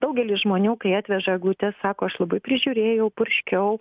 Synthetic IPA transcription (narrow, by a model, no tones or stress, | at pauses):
d̪ɐʊɡʲɛlʲɪsʒmoːnʲuːkɐɪɑːt̪ʲʋʲɛʒɐɡˠuːt̪ʲɛssɑːkoːɐʃlˠɐbɐɪpʲɾʲɪʒʲuːɾʲeːjɛʊpʊɾʲʃʲkʲɛʊ